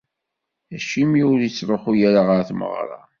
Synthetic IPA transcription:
æʃimiuɾit͡sːɾˤəχujæɾaʁəɾθmə̰ʁɾˤɑ̰

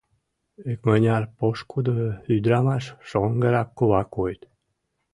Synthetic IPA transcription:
ekmənʲɑrpoʃkud̪əyd̪ɾɑmɑʃʃoŋɡəɾɑkːoβakojt̪

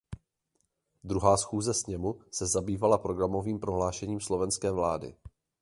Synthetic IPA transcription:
d̪ɾuɦaːsxuːzɛsɲɛmusɛzabiːvalapɾo̞ɡɾamo̞viːmpɾo̞ɦlaːʃɛɲiːmslo̞vɛnskɛːvlaːdɪ̰

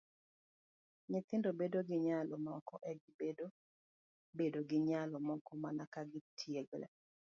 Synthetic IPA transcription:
ɲɪt̪ɪndobedoɡɪɲalɔmɔkɔʔɛɡɪbedo | bedoɡɪɲalɔmɔkɔmanakaɡɪtʰjeɡlɛ̰

